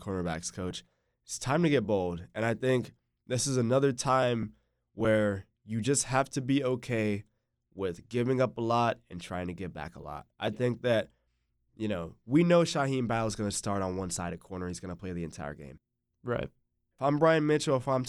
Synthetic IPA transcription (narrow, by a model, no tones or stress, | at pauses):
kʰɔɹnə˞bæ̰kskʰoʊt͡ʃ | tstʰãɪ̯̃mtʰɨɡɛt̚b̥oʊlˠdɨ̃ñaɪθɪ̃ŋk | ðɪsɨzɨnʌðə˞tʰãɪ̃m | wə˞ | jɨd͡ʒʌst̚hæftʰɨbioʊkʰeɪ | wɪðɡɪvɪ̃ŋʌpəlɔɾɨ̃ntʰɹ̥aɪɪ̃ŋtʰɨɡɛt̚b̥æ̰kə̰lɔ̰t̚ʔaɪθɪ̃ŋk̚ðɨt̚ | jɨnoʊwinoʊʃahĩnbaɪl̩ˠzɡʌnɨstɑɹɾn̩wʌ̃nsaɪɾɨkʰɔɹnə˞hizɡʌnəpʰl̥eɪðiɨ̃ntʰaɪə̰˞ɡḛ̃ɪ̃m | ɹaɪt̚ | fãɪ̃mbɹaɪɨ̃nmɪt͡ʃl̩ˠəfãɪ̃m